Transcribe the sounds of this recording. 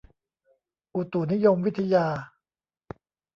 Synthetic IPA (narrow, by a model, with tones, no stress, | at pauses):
ʔu˨˩t̪u˨˩ni˦˥jo˧mwi˦˥t̪ʰːa˧jaː˧